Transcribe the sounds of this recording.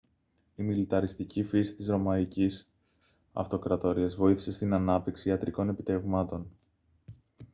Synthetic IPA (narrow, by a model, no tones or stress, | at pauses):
imilit̪ɐɾist̪icifisi̥t̪izɾo̞mɐicis | ɐ̰ft̪o̞kɾɐt̪o̞ɾiɐzvo̞iθise̞st̪inɐnɐp̚t̪iksiɐt̪ɾiko̞ne̞pit̪e̞vmɐt̪o̞n